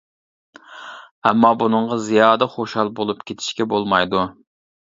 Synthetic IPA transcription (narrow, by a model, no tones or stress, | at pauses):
ɛmːɑbunɨŋʁɑzijɑːd̪ɛχoʃhɑlˠbolˠupkʲʰet̪ʰɪ̥ʃkʲɛbolˠmɑjd̪u